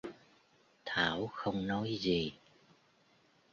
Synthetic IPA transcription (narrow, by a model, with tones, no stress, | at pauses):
t̪ʰaː˧˩wxə˧wŋ͡mnɔ˨˦jzi˨˩